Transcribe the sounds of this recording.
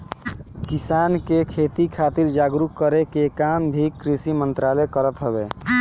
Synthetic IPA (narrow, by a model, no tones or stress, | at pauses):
kisankekʰet̪ikʰat̪iɾd͡ʒaɡɾukkːəɾekekambʱikɾisimənt̪ɾalekəɾət̪ɦəβe